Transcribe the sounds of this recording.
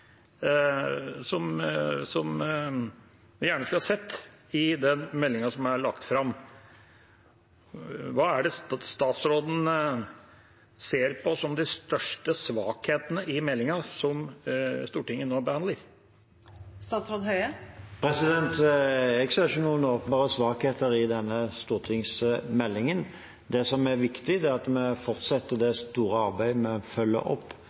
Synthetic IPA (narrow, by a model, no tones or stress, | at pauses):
sɔmsɔm | ʋɪjæːɳəsklhɑsɛt̪ːɪd̪ɛnmɛlːɪŋɑsɔmæɾɭɑkt̪fɾɑm | ʋɑːæɖɛsst̪ɑːt̪sɾoːd̪n̩ | seːɾpʰɔsɔmd̪ɪst̪œʂʈəsʋɑ̰ːkheːt̪ənəʔɪmɛlːɪŋɑsɔmst̪uːʈɪŋːənːoːbəhɑnd̪əɾ | st̪ɑːt̪sɾoːd̪hœʏəpʰɾɛsɪd̪ɛnt̪ɛɡseːʁɪçənuːənoːpənbɑːʁəsʋɑːkheːt̪əɾɪd̪ɛnːəst̪uːʁʈ̪ʰɪŋsmɛlːɪŋən | d̪ɛsɔmæɾʋɪkt̪ɪd̪ɛæʁɑt̪mɛfɔʁt̪sɛt̪ːəd̪ɛst̪uːɾəɑʁbæɪmɛfœlːə̰ʔɔ̰pː